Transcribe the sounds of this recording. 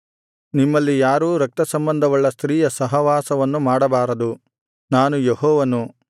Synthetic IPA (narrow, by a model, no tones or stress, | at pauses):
nimːɐlːijaːɾuːɾɐk̚t̪ɐsɐmbɐnd̪ʱɐʋɐɭːɐst̪ɾiːjɐsɐɦɐʋaːsɐʋɐnːumaːɽɐbaːɾɐd̪u | naːnujeɦɔːʋɐnu